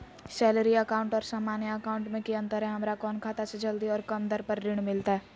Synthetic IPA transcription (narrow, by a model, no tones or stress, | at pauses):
sɛːləɾiəkaːʊ̃ɳʈɔːɾsaːmaːnjəəkaːʊ̃ɳʈmẽkiə̃nt̪əɾɦɛ̃ɦɐmɾakɔːnkʰaːt̪ased͡ʒɐld̪iɔːɾkɐmd̪əɾpəɾːɪɽ̃mɪlt̪aɦɛː